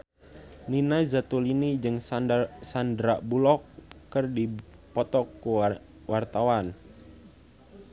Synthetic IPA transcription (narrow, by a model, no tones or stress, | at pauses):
ninajzat̪ulinid͡ʒɨŋsandɾaʔbulɔkːɨrdi | pɔt̪ɔkːu | wart̪awan